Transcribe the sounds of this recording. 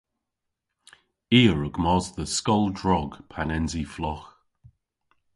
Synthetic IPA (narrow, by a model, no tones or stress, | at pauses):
iːɹʊɡ̥mɔzðəskɔlˠdɹɔɡ̥pʰanɛnziflɔx